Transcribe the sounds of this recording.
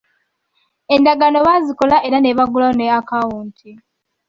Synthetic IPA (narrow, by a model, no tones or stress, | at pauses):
e̞ndaɡano̞βaziko̞laʔeɾaneβaɡulaneakawuːntʰi